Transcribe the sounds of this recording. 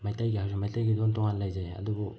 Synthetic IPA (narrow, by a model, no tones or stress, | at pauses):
majtajɡihawsɔmajtajɡidontɔŋanlajzajɐ̰dubu